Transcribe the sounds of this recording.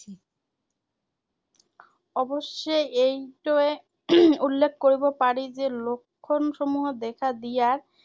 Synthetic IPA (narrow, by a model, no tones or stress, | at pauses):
ɔboʃːejejʈoe | ulːek̚ʰːkoɾibopaɾid͡ʑelokʰːonʃomuɦod̪ɛkʰad̪ijaɾ